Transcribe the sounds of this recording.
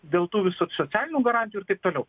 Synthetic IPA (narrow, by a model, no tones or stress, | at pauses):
d̪ʲeːlˠt̪uːʋʲɪsosoːsʲæːlʲɪnʲuːɡɐɾɑnʲt̪ʲɪjuɪɾt̪ɐɪp̚t̪oːlʲɛʊ